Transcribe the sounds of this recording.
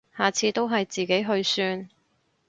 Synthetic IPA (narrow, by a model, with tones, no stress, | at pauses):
haː˨˩t͡sʰiː˧t̪o˥wɦɐ˨jt͡siː˨ke˨˥jɦɵ˧ɥsyː˧n